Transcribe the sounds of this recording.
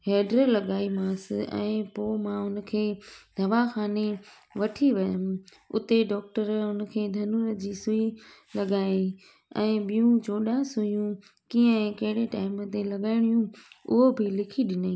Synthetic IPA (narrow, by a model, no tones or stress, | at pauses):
ɦeːɖɾəlɐɠaːimãːsɪɛ̰̃ːpoːmãʊnə̆kʰeːd̪ʱɐʋaxaːne | ʋɐʈʰiʋɐjəm | ʊ̰t̪eɖɔːk̚ʈəɾʊnə̆kʰeːd̪ʱɐnuːɾə̆d͡ʑiːsʊilɐɠaːĩ | ɛ̃ːɓijũd͡ʑoːɗasʊjũ | kiə̃kɐɦɪɽeʈaːɪmət̪elɐɠaːɪɽ̃ijũʊ̰ɦobʱɪlɪkʰiɗɪnaĩ